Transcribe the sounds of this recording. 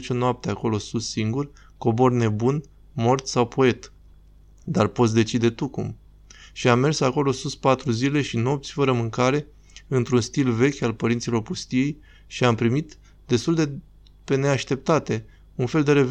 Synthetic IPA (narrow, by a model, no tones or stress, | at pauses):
t͡ʃonoap̚t̪eako̞lo̞susːiŋɡur | ko̞bo̞rne̞bun | mo̞rt̪sawpʰoe̞t̪ | d̪arpo̞t̪s̬ʲd̪e̞t͡ʃid̪e̞t̪ukum | ʃiamːe̞rsako̞lo̞suspat̪ɾuzile̞ʃino̞p̚t̪sʲfəɾəmɨŋkaɾe̞ | ɨnt̪ɾunst̪ilve̞kʲalpəɾint̪silo̞rpust̪ije̞j | ʃiampɾimit̪ | d̪̥e̞st̪uld̪e̞ | pe̞ne̞aʃt̪e̞p̚t̪at̪e̞ | unfe̞ld̪e̞ɾe̞v